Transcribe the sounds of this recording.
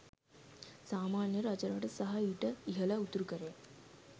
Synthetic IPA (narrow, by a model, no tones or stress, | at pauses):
saːmaːnjɐɾad͡ʒɐɾaːʈɐsɐɦɐiʈɐiɦɐlɐut̪ːuɾukɐɾea